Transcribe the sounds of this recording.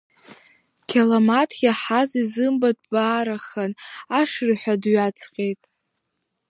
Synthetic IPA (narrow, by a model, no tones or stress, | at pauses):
kʲʰalamatʰɡʲaħazizɨmbadbaːɾaχanaʂrħʷadɥat͡sʰqʲʼe̞jtʼ